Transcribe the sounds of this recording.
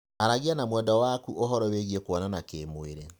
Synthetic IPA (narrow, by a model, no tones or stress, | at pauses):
aɾaɣianamwɛndɔwakuʔoɦɔɾɔweɣiekwɔnanakemoeɾe